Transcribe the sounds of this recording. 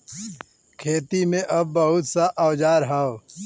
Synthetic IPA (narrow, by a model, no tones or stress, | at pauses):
kʰeːt̪imẽʔɐb̚ːəɦʊt̪saʔawd͡ʒaːɾɦao